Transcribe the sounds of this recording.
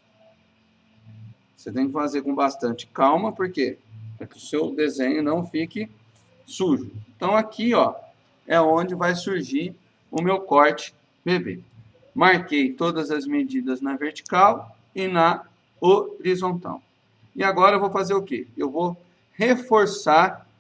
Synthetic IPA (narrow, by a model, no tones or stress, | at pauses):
oset̪ẽj̃kɪfazeɾkõbast̪ɐ̃nt͡ʃɪ̥kawmɐpoɾkepɾakɪʊsewd̪ezẽɲʊnɐ̃w̃fikɪ | suʒʊẽnt̪ɐ̃w̃akiɔ | ɛõd͡ʒɪvajsuɾʒiɾ | ʊmewkɔɾt͡ʃɪ̥ | bebḛ | maɾkejt̪od̪ɐzɐzmed͡ʒid̪ɐznɐveɾt͡ʃi̥kaw | ɪnɐ | oɾizõnt̪a̰w | ɪaɡɔɾɐevowfazeɾʊkeewvo | hefoɾsaɾ